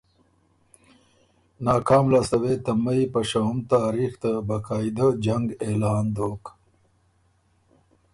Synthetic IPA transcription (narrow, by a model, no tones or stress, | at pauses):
nɑːkaːmlast̪ɐwet̪ɐmɐipɐʂaumt̪aːɾixt̪abakaːid̪ad͡ʒɐŋɡeːlɑːnd̪oːk